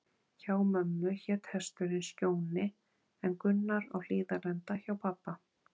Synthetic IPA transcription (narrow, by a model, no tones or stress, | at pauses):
çaːwmœmːʏçɛt̪hɛst̪ʏɾɪnscoːwnɪ | ɛnkʏnːaɾa̰ɣl̥iːðalɛnt̪açawpʰapːa